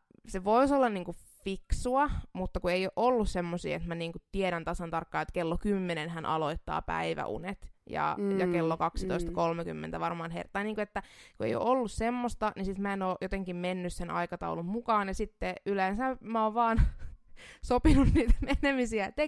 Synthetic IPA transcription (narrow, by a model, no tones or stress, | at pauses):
seʋoisolːɑnniːŋkuf | fiksuɑmut̪ːɑkueijoʔolːussemːosḭːḛt̪mæniːŋkutt̪ieɾænt̪ɑsɑnt̪ɑrkːɑːet̪kelːokymːenenhænʔɑ̰loit̪ːɑ̰ːpæ̰iʋæ̰ʔṵnet̪jɑ̰jɑkelːokɑksi̥t̪oist̪ɑkolmekymːḛnt̪æʋɑrmɑːnhḛrt̪ːˑɑniːŋkuet̪ːækuḛjo̰ʔolːussemːost̪ɑnisit̪mæenoːʔjot̪eŋkimmenːyssenʔɑ̰ikɑt̪ɑ̰ulummukɑːnjɑsit̪ːeylensæmæoːʋʋɑːn | sopinunniːt̪æmenemisiæt̪e